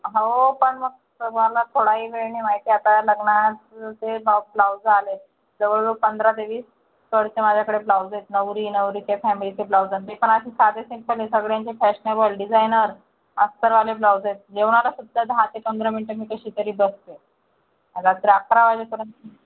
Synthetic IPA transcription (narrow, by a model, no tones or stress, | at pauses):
ɦaopəɳməɡ̚ | əməlat̪ʰoɽaɦiːʋeɭɳimaɦit̪iːat̪aləɡɳat͡s̪tebʱaplawd͡zale | d͡z̪əʋəɭupənd̪ɾad̪eʋiːs | təɽt͡semad͡ʑʱakəɽeplawd͡zet̪nəʋɾiːnəʋɾiːt̪efæmilit͡seplawd͡zənt̪epəɳaɕisad̪esĩŋk̚pəlisəɡɭejaɲt͡ɕefæɕnebəlɖid͡zajnəɾ | əst̪əɾʋaleplawd͡zet̪̚d͡ʑeʋɳ̃alasud̪ʱːad̪ʱat̪ekənd̪ɾəmiɳʈəɾmiːkəɕiːt̪əɾiːbəst̪e | ad̪asɾakɾaʋajlekəɾən